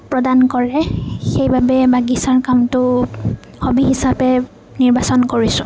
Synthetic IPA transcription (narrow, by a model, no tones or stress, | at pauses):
pɹɔdankɔɹɛxejbabɛbaɡisaɹkamtʊ | xobiɦisapɛ | niɹbasɔnkoɹisʊ̃